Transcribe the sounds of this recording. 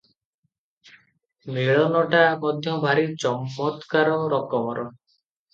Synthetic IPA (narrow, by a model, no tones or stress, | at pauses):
miɭɔnɔʈamɔd̪ʱjɔbʱaɾit͡ʃɔmːɔt̪kaɾɔɾɔkɔmɔɾɔ